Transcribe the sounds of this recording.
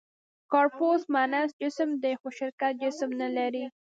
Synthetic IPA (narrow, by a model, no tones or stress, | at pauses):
kɑɾposmanasd͡ʒɪsəmd̪exoʃɪɾkat̪̚d͡ʒɪsmnalaɾi